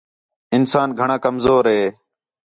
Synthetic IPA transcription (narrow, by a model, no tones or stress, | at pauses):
ɪnsaːnɡʱəɳãːkəmzoːɾɦeː